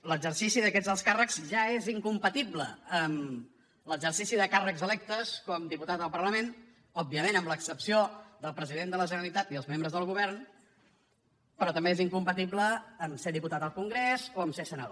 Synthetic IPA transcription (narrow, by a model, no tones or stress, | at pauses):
ləɡzərsisiðəkɛzðəlˠskarəkz̥ʒaeziŋkumpət̪iblə̰əm | ləɡzərsisiðəkarəkzəlɛk̚t̪əskɔmd̪iput̪at̪əlˠpərləmen | ɔb̚ːiəmenəmləksəpsiod̪əlˠpɾəziðend̪ələʒənəlit̪at̪iəlˠzmembɾəzðəlˠɣuβ̞ɛɾn | pəɾɔt̪əmbeːziŋkumpət̪̬ibləːmseðiput̪at̪əlˠkuŋɡɾezoəmsesənəðo